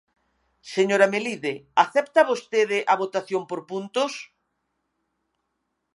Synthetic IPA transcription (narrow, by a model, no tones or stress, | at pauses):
seɲoɾameliðeaθɛpt̪aβost̪eðɪʔaβot̪aθjompoɾpunt̪ʊs